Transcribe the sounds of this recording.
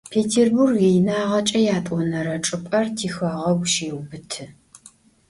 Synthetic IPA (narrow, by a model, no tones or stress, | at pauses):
pʰeːtʰeːrburɡejnaːʁɐt͡ʃʼɐjaːtʼɔnɐɾɐʈ͡ʂʼɨpʼɐrtʰiːxɐʁɐwʃeːwbɨtʰɨ